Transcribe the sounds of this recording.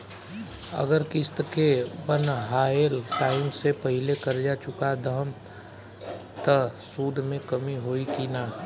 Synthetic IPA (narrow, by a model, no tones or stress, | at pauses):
ə̰ɡəɾkɪst̪kebənɦaːelʈaːɪmsepɐɦɪlekɐɾd͡ʒat͡ʃʊkad̪ʱəɦəm | t̪əsuːd̪ʱmẽkəmiɦoːikinaː